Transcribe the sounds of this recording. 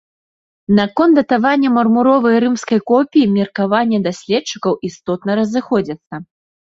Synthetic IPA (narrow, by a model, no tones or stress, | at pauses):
nɐkɔnt̪ɐt̪avanʲːɐmɐrmuɾɔvɐjɾɨmskɐjkɔpʲijimʲɛrkavanʲːɛd̪asʲlʲɛtt͡ʂːɨ̥kɐwist̪ɔt̪nɐɾɐzɨxɔd͡zʲɐt̪sːɐ